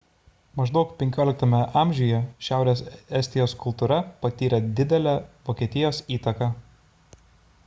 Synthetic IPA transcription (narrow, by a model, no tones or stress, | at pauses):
mɐʒd̪ɒʊkpʲɛŋʲkʲoːlʲɪk̚t̪ɐmʲɛʔɑˑmʲʒʲʊjɛʃʲæˑʊɾʲeːsɛsʲt̪ʲɪjoːskʊlˠt̪uːɾɐpɐt̪ʲiːɾʲɛd̪ʲɪd̪ʲɛlʲæʋoːkʲiɛt̪ʲɪjoːsiːt̪ɐkɑ